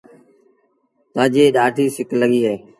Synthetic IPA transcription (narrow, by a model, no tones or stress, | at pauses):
t̪ãːd͡ʒeːɗaːʈʰiːsɪkləɡiːaeː